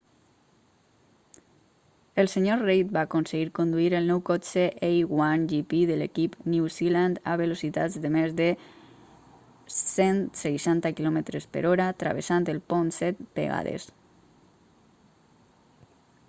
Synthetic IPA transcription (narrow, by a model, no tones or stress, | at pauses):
əlˠseɲorejt̪̚baːkonseɣiɾkond̪uiɾəlˠnɔwkɔseʔejɣwanʒipiðəlekipniwziland̪aβelosit̪a̰d͡zd̪əmezðə | sensejʃant̪akilɔmət̪ɾespə̰ɾɔɾat̪ɾa̰βesant̪əlˠpɔnsɛt̪̚bḛɣa̰ðḛs